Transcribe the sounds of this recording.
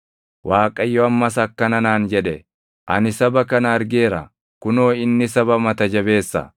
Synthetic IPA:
waːkʼɐjːɔɐmːɐsɐkːɐnɐnaːnd͡ʒɛᶑɛ | ʔɐnɪsɐbɐkɐnɐːɾɡe̞ːɾɐ̰ | kʊno̞ːɪnːɪsɐbɐmɐt̪ɐd͡ʒɐbe̞ːsːɐ̰

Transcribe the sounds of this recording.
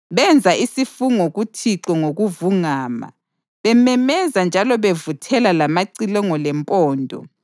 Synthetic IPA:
βɛnd͡zʱaʔisifuŋoɣutʰiǁɔŋoɣuvuŋaːma̰ | βɛmɛmɛzand͡ʒʱalɔβevutʰɛlalamaǀilɔŋɔlɛmpʼɔːndʱɔ̰

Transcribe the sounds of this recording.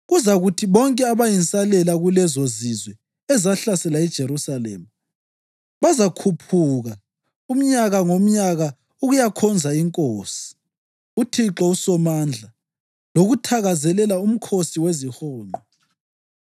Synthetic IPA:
ɣuzaɣutʰiβɔŋkʼɛaβajint͡sʼalɛlaɣulɛzozizwɛ | ɛzaɬasɛlaɛd̥ʒ̥ʱeɾusalɛ̰ma | βazakʰupʰuɣa | um̩ɲaɣaŋom̩ɲaɣa | uɣujakʰɔnd͡zʱaiŋkʼoːsi̥ | utʰiǁɔusɔmand͡ɮʱa | loɣutʰaɣazɛlɛlaum̩kʰosiwezihɔːnʱɔ

